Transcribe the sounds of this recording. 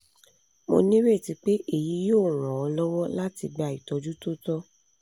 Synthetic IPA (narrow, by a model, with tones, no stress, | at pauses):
mo̰˧nĩ˦ɾe˦˨ti˧k͡pe˦ʔe˦˨ji˨˦joː˦˨ɾ̃ɔ̃˨ɔ˧lɔ˦wɔ˦la˦ti˧ɡ͡be˨˧a˨i˨tɔ˨˧d͡ʒu˦to˦tɔ˦